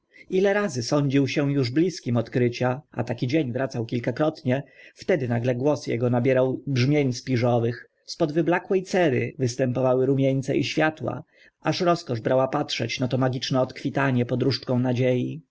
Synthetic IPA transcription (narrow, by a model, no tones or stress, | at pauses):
ilɛɾazɘsɔɲd͡ʑiwɕɛ̃juʐblʲiskʲimɔt̪kɾɘt͡ɕaa̰t̪akʲid͡ʑeɲvɾat̪sawkʲilkakɾɔt̪ɲɛft̪ɛd̪ɘnaɡlɛɡwɔsjɛ̰ɡɔnabʲjɛɾawbʐmʲjeɲspʲiʐɔvɘx | spɔd̪vɘblakwɛjt̪sɛɾɘ̰vɘst̪ɛmpɔvawɘɾumʲjeɲt̪sɛ̰ʔiɕfʲjat̪wa̰ | ʔaʂɾɔskɔʐbɾawapatʂɛt͡ɕnat̪ɔmaɡʲit͡ʂnɛɔt̪kfʲit̪aɲɛpɔd̪ɾuʂt͡ʂkɔ̃w̃nad͡ʑeji